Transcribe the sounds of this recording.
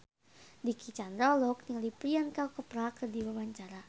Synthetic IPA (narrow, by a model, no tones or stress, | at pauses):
dikʰit͡ʃand̪ɾalɔk̚nilipɾiankakəpɾakərdiwabaɲt͡ʃaɾa